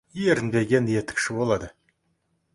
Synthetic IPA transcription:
jeɾɪnbe̞ɡʲe̞nje̞t̪ɪ̥kʲʃɪbolˠɑd̪ə

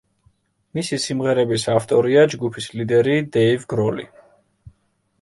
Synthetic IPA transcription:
misisimʁɛɾɛbisaft̪ʼɔɾiad͡ʒɡupʰislid̪ɛɾid̪ɛivɡɾɔlḭ

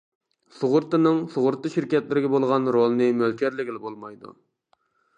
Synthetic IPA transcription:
sʊʁʊɾt̪ːɨnɨŋsʊʁʊɾt̪ːɨʃɪɾkʲɛt̪lɪɾɪɡʲɛbolˠʁɑnɾolˠɨnɨmølkʲʰɛɾlɪɡʲilɪbolˠmɑjd̪ṵ

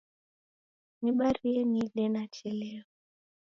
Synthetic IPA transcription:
niɓaɾiɛnilɛnat͡ʃɛlɛɔ

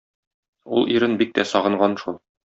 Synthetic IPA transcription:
ulˠiɾɘnbik̚t̪æsɒʁɤ̆ɴʁɑnʃulˠ

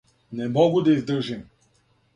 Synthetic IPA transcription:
nɛmɔɡʊd̪ɐizd̪əʒim

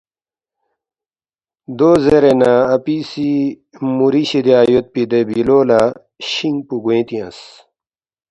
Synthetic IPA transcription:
d̪ozeɾenaːpisi | muɾiɕid̪iaːjot̪̚pid̪ebiloːla | ɕiŋɡpuɡuẽt̪iɐ̰̃s

